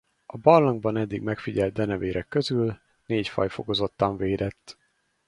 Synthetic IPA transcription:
ɒbɒllɒŋɡbɒnɛd̪ːiɡmɛkfiɟɛlt̪̚d̪ɛnɛveːɾʔɛkːøzyl | neːcfɒ̰jfo̞ko̞zo̞t̪ːɒɱveːd̪ɛt̪ː

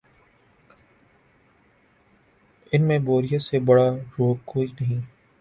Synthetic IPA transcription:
ɪnmẽboːɾijasebɐɽaɾoːɡ̚koːinɐɦĩː

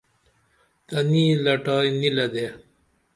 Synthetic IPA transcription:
t̪ɐniːlɐʈaːjnilɐd̪e

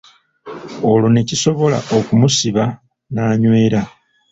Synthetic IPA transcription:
olo̞ne̞ciso̞βo̞la̰ʔokumusiβa | naːɲwe̞ːɾa

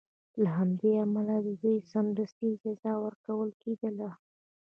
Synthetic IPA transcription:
laɦamd̪eamalad̪əd̪ujsand̪əst̪id͡ʒɑzɑwəɾkawəlked̪əla

